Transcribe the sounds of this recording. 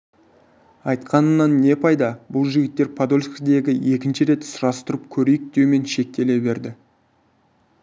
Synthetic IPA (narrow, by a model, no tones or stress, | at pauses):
ɑjt̪qʰɑnənːɑnːe̞pʰɑjd̪ɑbʊlˠʒɪɡʲɪt̪ːe̞ɾpʰad̪o̞lʲskd̪e̞ɡʲɪje̞kʲɪnʃɪɾe̞t̪sʊɾɑst̪ʊɾəp̚kʲʰɵɾejɪk̚d̪̥e̞wme̞nʃe̞k̚t̪e̞le̞be̞ɾd̪ɪ